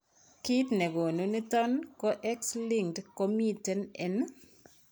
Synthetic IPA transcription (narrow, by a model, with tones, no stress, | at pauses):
ki˦tnɛ˨ɡo˨no˦ni˦t̪a˦nkɔ˦ʔɛ˦ksli˦ŋtko˦mi˦te˦nɛn